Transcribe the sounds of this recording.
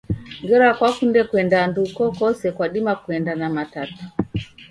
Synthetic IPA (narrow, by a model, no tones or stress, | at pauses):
ŋɡɛɾɔakwakundɛkwɛndandukɔkɔsɛkwaɗimakuɛndanamatatu̥